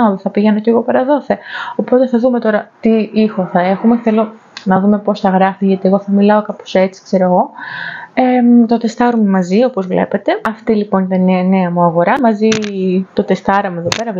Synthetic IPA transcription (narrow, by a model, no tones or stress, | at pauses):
ðeθɐpiʝeno̞ce̞ɣo̞pɐɾɐðo̞θeopo̞t̪e̞θɐðume̞t̪o̞ɾɐt̪iixo̞θɐe̞xume̞θe̞lo̞ | nɐðume̞po̞sθɐɣɾɐfiʝɐt̪ie̞ɣo̞θɐmilɐo̞kɐpo̥se̞t͡si̥kse̞ɾoɣo̞ | et̪o̞t̪e̞st̪ɐɾomumɐzio̞pozvle̞̰pe̞t̪e̞ɐft̪ilipo̞nit̪ɐneɐneɐmuɐɣo̞ɾɐmɐzit̪o̞t̪e̞st̪ɐɾɐmueðo̞peɾɐ